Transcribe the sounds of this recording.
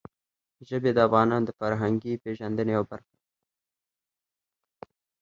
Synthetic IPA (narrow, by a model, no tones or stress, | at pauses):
ʒəbed̪əafɣɑːnɑnd̪əfaɾɦaŋɡipeʒand̪ənejabaɾxḁ